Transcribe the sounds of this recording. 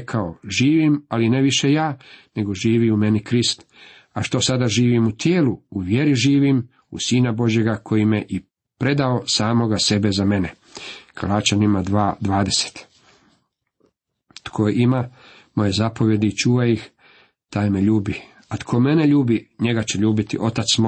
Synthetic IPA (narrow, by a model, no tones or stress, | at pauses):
kʰaoʒiːʋimaline̞ʋiʃe̞jaːne̞ɡo̞ʒiːʋiume̞nikɾist̪ | aʃt̪o̞sad̪aʒiːʋimut̪jeːluuʋje̞ɾiʒiːʋim | ṵsiːnabo̞ʒje̞ɡakʰo̞jimeʔi | pɾe̞d̪ao̞saːmo̞ɡase̞be̞zame̞ne | kʰalˠaːt͡ʃanimad̪ʋaːd̪ʋaːd̪e̞se̥t̪ | t̪kʰoima | mo̞je̞zapo̞ʋje̞d̪iːt͡ʃuːʋajix | t̪aːjmeʎuːbi | at̪kʰo̞me̞ne̞ʎuːbiɲe̞ɡat͡ɕeʎuːbit̪ḭʔo̞t̪at̪smo